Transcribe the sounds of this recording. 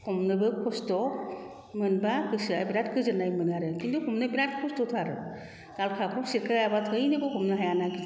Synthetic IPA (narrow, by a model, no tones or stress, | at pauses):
kʰɔmnɯbɯkʰɔstɔ | mɯnbakɯsɯajbɾat̚kʰɯzɯnajmɯnaɾɯkʰindɔkʰɔmnɯbɾat̚kʰɔstɔtʰaɾɯ | ɡ̥alkʰakʰɔmsiɾkʰaabatʰɯjnɯbɯkʰɔmnɯɦajanaɡit